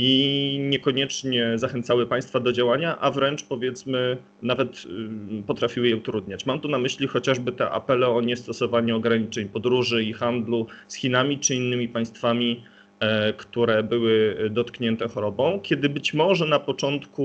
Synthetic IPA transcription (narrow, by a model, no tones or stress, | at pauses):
iɲɛkɔɲɛt͡ʂɲɛzaxɛnt̪sawɘpaj̃st̪fad̪ɔd͡ʑawaɲaʔavɾɛnt͡ʂpɔvʲjɛt̪smɘ | navɛt̪pɔt̪ɾafʲiwɘjɛut̪ɾud̪ɲat͡ɕmamt̪unamɘɕlʲixɔt͡ɕaʐbɘt̪ɛ̰ʔa̰pɛlɛɔɲɛst̪ɔsɔvaɲuɔɡɾaɲit͡ʂɛɲpɔd̪ɾuʐɘixand̪lusxʲinamʲit͡ʂɘinːɘmʲipaj̃st̪famʲi | kt̪uɾɛbɘwɘd̪ɔt̪kɲɛnt̪ɛxɔɾɔbɔ̃w̃kʲjɛd̪ɘbɘt͡ɕmɔʐɛnapɔt͡ʂɔnt̪ku